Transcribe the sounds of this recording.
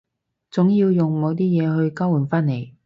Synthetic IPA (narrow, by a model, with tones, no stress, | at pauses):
t͡sʊ˨˥ŋjiː˧wjʊ˨ŋmo˨˧wt̪̬iː˥jɛː˨˧ɦɵ˧ɥka˥wu˨˩nfaː˥nle˨˩j